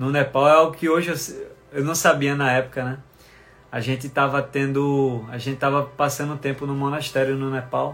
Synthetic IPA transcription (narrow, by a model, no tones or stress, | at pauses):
nʊnɛpawɛawɡʊkɪoʒɪewsewnɐ̃w̃sabiɐnɐɛpʊ̥kɐnɛ | aʒẽnt̪ɪt̪avɐt̪ẽnd̪ʊaʒẽt̪ɪ̥t̪avɐpasɐ̃nd̪ʊt̪ẽmpʊnʊ̃mõnɐʃt̪ɛɾjʊnũnɛpaw